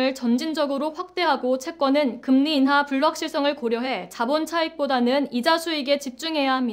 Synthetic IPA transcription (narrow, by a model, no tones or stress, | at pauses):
ɯɭt͡ɕʌnd͡ʑind͡ʑʌɡɯɾoɸwak̚t͈e̞ɦaɡot͡ɕʰe̞k͈wʌnɯnkɯmniːnɦapuɭːak̚ɕ͈iɭs͈ʌŋɯɭkoɾjʌɦe̞t͡ɕabont͡ɕʰaik̚p͈odanɯnid͡ʑasʰuiɡe̞t͡ɕip̚t͡ɕ͈uŋɦe̞jaɦamɲida